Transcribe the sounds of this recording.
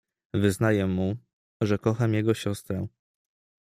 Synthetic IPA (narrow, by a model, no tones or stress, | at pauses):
vɘznajɛmːu | ʐɛkɔxamʲjɛɡɔɕɔst̪ɾɛ